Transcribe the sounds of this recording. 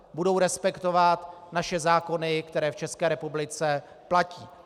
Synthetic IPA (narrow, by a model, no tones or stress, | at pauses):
budowɾɛspɛkt̪o̞vat̪naʃɛzaːko̞nɪkt̪ɛɾɛːft͡ʃɛskɛːɾɛpublɪt͡sɛ | placiː